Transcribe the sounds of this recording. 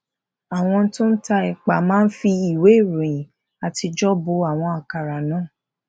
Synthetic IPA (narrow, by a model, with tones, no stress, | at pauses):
a˨w̃ɔ̃˧˦tũ˦n̩˦ta˧i˨k͡pa˨mãː˦n̩˦fi˧i˨we˨˦i˦˨ɾõ˨ĩ˨ | a˨ti˧d͡ʒɔ˦bo˧a˦˨w̃ɔ̃˧a˨ka˨ɾa˨nãː˨˦˨